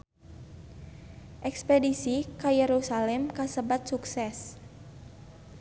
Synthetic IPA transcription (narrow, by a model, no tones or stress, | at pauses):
ʔɛkspedisikajɛɾusalɛmkasəbat̪̚suksɛs